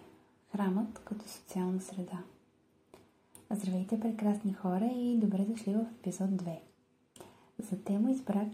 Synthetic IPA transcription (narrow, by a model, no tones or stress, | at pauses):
xɾamət̪kɐt̪ɔ̥so̥t̪sialˠnəsɾɛd̪a | zd̪ɾɐvɛjt̪ɛpɾɛkɾasnixɔɾəid̪obɾɛd̪ʊʃlivəfɛpizɔd̪̚ːvɛ | zɐt̪ɛməizbɾak